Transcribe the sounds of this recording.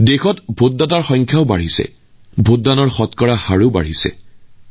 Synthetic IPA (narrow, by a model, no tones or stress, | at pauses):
dexɔtbʱot̚dataɹxɔŋkʰjaʊbaɹisɛ̰ | bʱot̚danɔɹxɔtkɔɹahaɹuba̰ɹisɛ̰